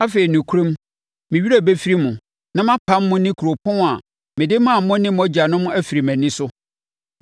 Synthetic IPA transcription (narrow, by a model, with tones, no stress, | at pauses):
a˦fe˨ɾi˨nũ˨kʰu˦ɾõ˦m | mɪ̃˨ɥi˦ɾæ˦˨be˦fi˦ɾi˦mʊ̃˨ | nã˦mã˦pʰã˦mːʊ̃˦nɪ̃˦kʰu˨ɾo˨pʰɔ̃˦n˦a˨ | mɪ̃˨dɪ˦mã˦˨˦mʊ̃˦nɪ̃˦m˦ɔ˦d͡ʑa˨nʊ̃˦mʊ̃˦ʔæ˦fi˨ɾi˨mæ̃˨nɪ̃˦sʊ˦